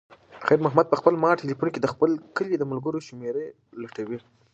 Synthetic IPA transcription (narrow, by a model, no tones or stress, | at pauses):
xajɾmʊɦmad̪̚pəxpəlmɑʈelipunked̪əxpəlkəled̪əmalɡəɾoʃʊmeɾe | laʈawi